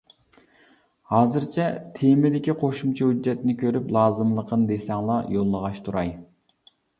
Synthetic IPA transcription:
hɑːzɨɾt͡ʃʰɛt̪ʰemɪd̪ɪkʲiqʰoʃumt͡ʃʰɑhyd͡ʒːɛt̪nɪkʲʰøɾyplˠɑːzɨmlˠəqʰənd̪esɛŋlˠɑjolˠːəʁɑʃt̪ʰuɾɑj

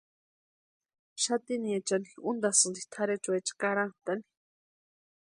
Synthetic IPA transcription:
ʃat̪iniet͡ʃanixund̪asɨnd̪it̪ʰaɾet͡ʃuet͡ʃḁkaɾant̪ani̥

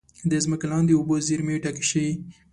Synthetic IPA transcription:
d̪əzməkalɑnd̪eoboziɾmeʈaki̥ʃəwi

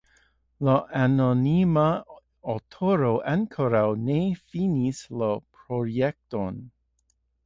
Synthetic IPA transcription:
laʔanonima | otʰoɾoʔankʰoɾawnefinislapɾojek̚ton

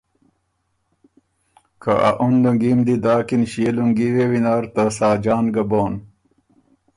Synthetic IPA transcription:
kʰaʔa̰ʔunluŋɡimd̪id̪aːkinɕieluŋɡiwewinaːɾt̪asaːd͡ʑaːnɡɐboːn

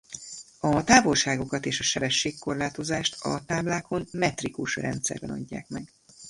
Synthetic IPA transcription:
ɒt̪aːvo̞lʃaːɡo̞kɒt̪eːʃɒʃɛbɛʃːeːkkːo̞rlaːt̪o̞zaːʃt̪ɒ̰t̪aːblaːkʰo̞nmɛt̪rikuʃrɛ̰nt̪sɛ̰rbɛnɒ̰ɟːa̰ːkmɛɡ

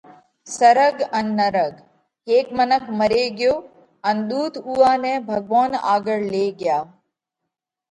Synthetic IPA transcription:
sɐɾəɡɐnːəɾəɡ | ɦeːkmənəkʰmɐɾeɡjoː | ɐnd̪uːt̪ʰuːaːnẽbʱɐɡʋaːna̰ːɡəɽleːɡɪjaː

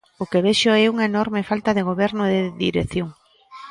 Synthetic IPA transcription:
ʊkeβeʃʊɛuŋaenɔɾmefalt̪aðeɣ̞oβɛɾnʊðeðḭɾeθjoŋ

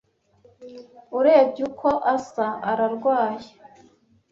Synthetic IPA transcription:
uɾe̞ːbɟukʰo̞ʔasaaɾaɾɡwaːje

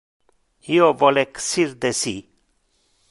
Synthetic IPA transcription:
jovɔleksiɾd̪esi

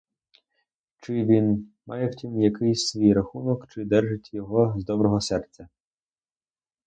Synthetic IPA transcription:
t͡ʃɪʋʲinmɑjɛwtʲimjɐkɪjsʲsʋʲijɾɐxunɔkt͡ʃɪd̪ɛrʒɪtʲjɔɦɔzd̪ɔbɾɔɦɔsɛrt͡sʲːɐ

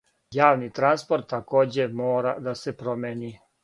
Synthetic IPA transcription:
jaːʋnit̪ɾanspo̞ɾt̪ːako̞ːd͡ʑe̞moːɾad̪asepɾo̞mʲeːni

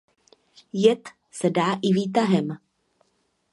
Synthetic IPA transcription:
jɛt̪ | sɛdaːʔɪviːt̪aɦɛm

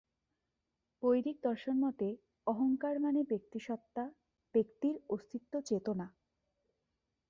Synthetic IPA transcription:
bojɾik̚d̪ɔɾʃonmɔt̪e | ɔɦoŋkaɾmanebek̚t̪iʃɔt̪ːa | b̥ekt̪iɾost̪ʰit̪ːot͡ɕet̪ona

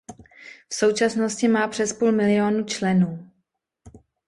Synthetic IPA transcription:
fso̞wt͡ʃasno̞scɪmaːpr̥ɛspuːlmɪlɪo̞nut͡ʃlɛnuː

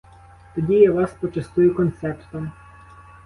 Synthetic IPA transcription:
t̪ɔdʲijaʋɑspɔt͡ʃɐst̪ʊjʊkɔnt̪sɛpt̪ɔm

